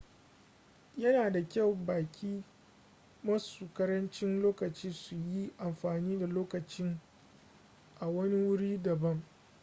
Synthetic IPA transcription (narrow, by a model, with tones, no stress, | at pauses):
jɐ˦naː˨da˨kʲa˦˨wbaː˨kʲiː˦ | mɐ˦suː˨kɐ˦ɾɐ˦nt͡ʃɪ˦nloː˦kɐ˨t͡ʃiː˦su˨ji˦ʔa˨mɸaː˨niː˦da˨loː˦kɐ˨t͡ʃɪ˦ŋ | ʔa˨wɐ˦ni˦wʊ˦ɽiː˦dɐ˨bɐ˦ŋ